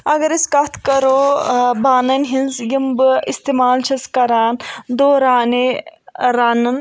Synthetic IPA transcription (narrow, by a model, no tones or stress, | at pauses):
ɐɡɐɾiskɐt̪ʰkɐɾoːbaːnɐnʲɦinzjimbɨist̪eːmaːlt͡ʃʰɐskɐɾaːnd̪oːɾaːneɾaːnɨn